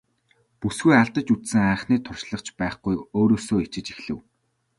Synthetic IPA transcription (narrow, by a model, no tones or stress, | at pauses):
pusɡujaɮt̪ə̆t͡ɕut͡s̪sɘ̆ŋaːχniːt̪ʰʊrʃɮə̆χt͡ɕpæːχɡujoːɾoːsoːet͡ɕɪ̆t͡ɕixɮɘ̆w